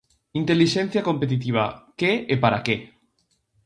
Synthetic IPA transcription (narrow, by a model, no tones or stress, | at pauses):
int̪eliʃen̟θjakompet̪̬it̪̬iβ̞akeepaɾake